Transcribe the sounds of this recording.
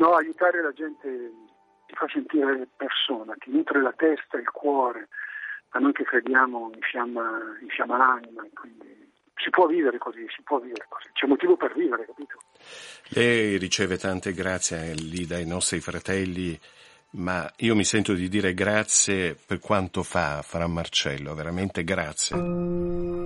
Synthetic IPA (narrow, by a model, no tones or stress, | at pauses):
nɔajut̪aːɾelad͡ʒɛnt̪e | sifasent̪iːɾepersoːnak̟inuːt̪ɾelat̪ɛst̪ailkwɔːɾemanːoŋkekːɾed̪jaːmoiɱfjamːaiɱfjamːalanimaekːwind̪i | sipwɔvːiːveɾekozisi̥pwɔvːiːveɾeko̥z̥i̥t͡ʃɛumːot̪iːvoperviːveɾekapiːt̪o | lʔɛjrit͡ʃɛːvet̪ant̪eɡɾat̪sːjelid̪ajnɔst̪ɾifɾat̪ɛlːi | maiːomisɛnt̪od̪id̪iːɾeɡɾat̪sːjeperkwant̪ofafaɾamːart͡ʃɛ̰lːoveɾament̪eɡɾat̪sːjḛ